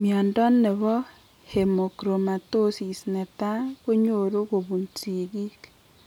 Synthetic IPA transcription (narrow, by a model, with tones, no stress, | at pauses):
mja˨ndɔ˦nːe˨βɔ˦ | he˨mo˨kɾo˨ma˨to˦si˨snɛ˨ta˦ko˦ɲo˨ɾo˦ko˨βu˨nt͡si˨ɡi˦k